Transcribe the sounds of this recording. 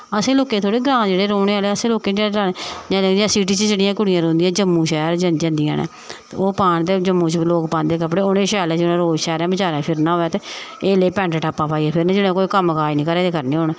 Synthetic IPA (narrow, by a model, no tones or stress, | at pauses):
əsẽːloːkẽːt̪ʰoːɽeːɡɾãːd͡ʒeːɽeːɾoːneːaːleːəsẽːloːkẽːd͡ʒeːeɾaːeːd͡ʒãːlːd̪iãːsiːʈ̬iːt͡ʃət͡ʃəɽijãːkʊɽɪjãːɾoːnd̪ijãːd͡ʒəmːũːʃɛːɾd͡ʒə̃nd͡ʒãːnd̪ijã̰ːnḛː | t̪oːpaːɳt̪eːd͡ʒəmːũːt͡ʃloːkpãːnd̪eːkəpɽeːoːneːʃɛːlɛ̃ːd͡ʒenẽːɾoːd͡ʒʃɛːɾɛ̃ːbət͡ʃaːɾɛ̃ːpʰɪɾnãːɦoːɛːt̪eeːleːpɛ̃ːɳʈəʈaːpːãːpaːiːɛːpʰɪɾñːd͡ʒɪnẽːkoːiːkəməkaːinĩːkəɾeːd̪eːkəɾneːɦoːnː